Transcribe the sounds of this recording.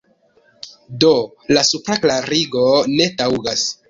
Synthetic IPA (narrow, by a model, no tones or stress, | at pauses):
do̞ | lasupɾaklaɾiɡo̞ne̞tawɡas